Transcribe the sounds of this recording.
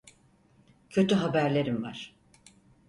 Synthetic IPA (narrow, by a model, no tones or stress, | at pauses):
cʰø̞t̪yɦabæɾlʲe̞ɾimva̰ɾ̥